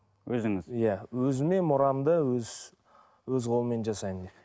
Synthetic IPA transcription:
wɵzɪŋɪzjæwɵzɪme̞nmʊɾɑmd̪əwɵz | wɵzqʰolˠəme̞nʒɑsɑjənd̪e

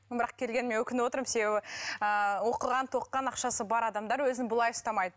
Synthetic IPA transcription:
bɪɾɑqkʲʰe̞lɡʲe̞nɪme̞nwɵkʲɪnɪwot̪əɾəmse̞be̞bɪəwo̞qəlˠʁɑnt̪ʰo̞qːɑnɑqʃɑsəbɑɾɑd̪ɑmd̪ɑɾwɵzɪnbʊlˠɑjʊst̪ɑmɑjd̪ə

